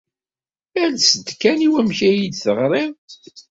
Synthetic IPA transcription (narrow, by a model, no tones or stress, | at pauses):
ælsəd̪kæniwæmçæjid̪θəʁɾˤeð